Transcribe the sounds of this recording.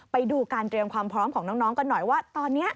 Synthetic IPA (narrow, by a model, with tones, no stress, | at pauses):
pa˧jduː˧kaː˧nt̪ɾi˧əmkʰwaː˧mpʰɾɔː˦˥mkʰɔː˩˦ŋnɔː˦˥ŋnɔː˦˥ŋkɔ˧˩nɔ˨˩jwaː˥˩t̪ɔː˧nːi˦˥ɐʔ